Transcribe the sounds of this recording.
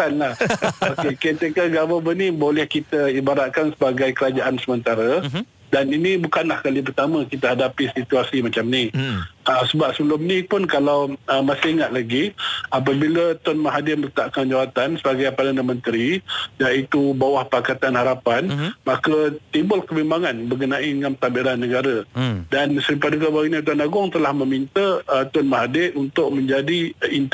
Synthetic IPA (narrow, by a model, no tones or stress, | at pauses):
t̪anlahokekɛt̪ekaɡaməbənĩbolɛhkit̪əibaɾat̪̚kansəbaɡajkəɾad͡ʒaʔansəmənt̪aɾə | daninibukanlahkalip̬ərt̪amə̃kit̪ahadapisit̪uasimat͡ʃamniəsəbap̚səbəlʊmnipʊnkalawəmasɪiŋat̪̚laɡiap̬əbilət̪ɔnmaɦadɪmələt̪aʔkand͡ʒawat̪ansəbaɡajpadanamə̃nt̪əɾijait̪ubawahpakat̪anhaɾapanmakət̪ibʊlkəbimbaŋanbəɡənaidəŋãnt̪abiɾanːəɡaɾədansəɾipadəkabainət̪̬uanaɡʊŋt̪əlahmə̃mint̪ət̪ɔnmaɦadɪʔunt̪ʊʔ̚mə̃ɲd͡ʒadiin